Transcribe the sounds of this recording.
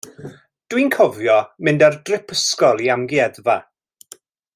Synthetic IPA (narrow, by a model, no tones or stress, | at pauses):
d̥winkʰɔvjɔmɪndardrɪpʰəskɔlˠiamɡiɛðva